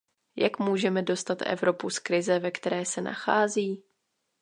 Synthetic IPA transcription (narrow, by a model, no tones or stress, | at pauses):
jakmuːʒɛmɛdo̞st̪at̪ʔɛ̰vɾo̞puskɾɪzɛvɛkt̪ɛɾɛːsɛna̰xaːziː